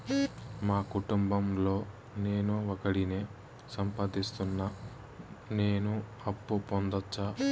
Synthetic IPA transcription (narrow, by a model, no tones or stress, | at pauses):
maːkuʈumbɐmlo̞ː | ne̞ːnuokɐɽineː | sɐmpaːd̪ist̪unːɐ | ne̞ːnu | ɐpːupond̪ɐt͡ʃːa